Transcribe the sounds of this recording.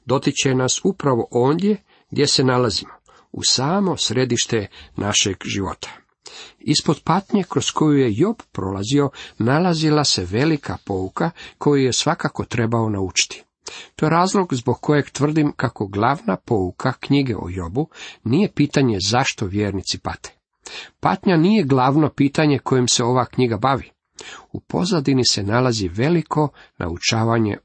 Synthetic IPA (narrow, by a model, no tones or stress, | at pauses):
d̪o̞t̪it͡ɕenasupɾaʋo̞ʔo̞ːnd̪je̞ | ɡd̪je̞se̞nalazimo | ṵsaːmo̞sɾe̞d̪iʃt̪e̞nʔaʃeɡʒiʋo̞̰t̪ʰḁ | ispo̞d̪pat̪ɲekɾo̞sko̞juje̞jo̞bpɾo̞̰lazio̞nalazilase̞ʋe̞likʰa̰po̞ukakʰo̞jujesʋakako̞t̪ɾe̞bao̞naut͡ʃi̥t̪i̥ | t̪o̞jeɾaːzlˠo̞ɡzboɡ̚kʰo̞jeɡt̪ʋr̩d̪imkako̞ɡlˠaʋnapo̞ukʰakɲiɡḛʔo̰jo̞bunije̞piːt̪aɲezaʃt̪o̞ʋjeːɾnit̪sipa̰t̪e̥ | pa̰t̪ɲanijeɡlˠaʋno̞piːt̪aɲe̞kʰo̞jimseo̞ʋakɲiɡabaʋi | upo̞̰zad̪inise̞nalaziʋe̞likʰo̞nʔa̰ut͡ʃaːʋaɲe̞̰